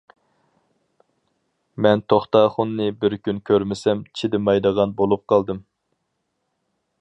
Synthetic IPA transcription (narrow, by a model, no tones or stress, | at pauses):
mɛnt̪ʰoχt̪ɑːχʊnːɨbɪɾkʲʰynkʲʰøɾmɪsɛmt͡ʃʰid̪ɪmɑjd̪əʁɑnbolˠup̚qʰɑlˠd̪ɨm